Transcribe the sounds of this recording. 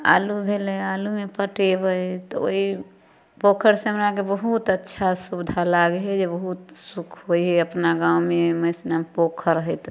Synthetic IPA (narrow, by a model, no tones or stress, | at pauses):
a̰lubʱelealumepəʈebəjt̪ɔo̰i | pokʰəɾsemɾakebəɦut̪ətːʃʰasubd̪ʱalaɡɦɛd͡ʒebəɦut̪sukʰɦoiɦɛəpnaɡaumeməsnampokʰəɾɦət̪